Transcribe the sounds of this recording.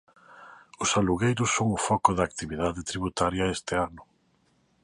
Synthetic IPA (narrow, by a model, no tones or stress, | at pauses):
ʊsaluɣejɾʊsːoŋʊfɔkʊðɐaːkt̪iβiðaðɪt̪ɾiβ̞ut̪aɾjɐest̪ɪanʊ